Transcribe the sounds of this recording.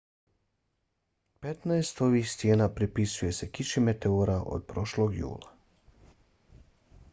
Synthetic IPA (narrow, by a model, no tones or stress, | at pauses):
pe̞t̪naest̪o̞ʋiːxst̪je̞ːnapɾipisuje̞se̞kiʃime̞t̪eoɾaʔo̰d̪̥̚pɾo̞ʃlo̞ɡjṵːlˠa